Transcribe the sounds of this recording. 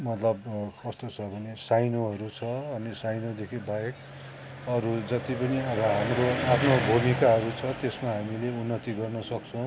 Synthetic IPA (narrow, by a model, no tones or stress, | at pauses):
mʌt̪lʌbkʌst̪ot͡sʰʌbʱʌnesajnoɦʌɾut͡sʰʌʌnisajnod̪ekʰibaek | ʌɾud͡zʌt̪ipʌniʌbʌɦamroapʰnobʱumikaɦʌɾut͡sʰʌt̪esmaɦamileunːʌt̪iɡʌrnʌsʌkt͡sʰʌw̃